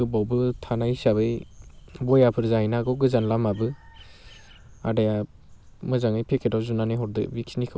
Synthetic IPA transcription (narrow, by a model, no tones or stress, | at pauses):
ɯbawbɯtʰanajsabɯjbɔjapʰɯɾzainaɡɯwɡɯzanlamabɯ | a̰daja | mɯzaŋɯjpʰekʰedawzunaniɦɔɾdɯ̰biksnikʰɯ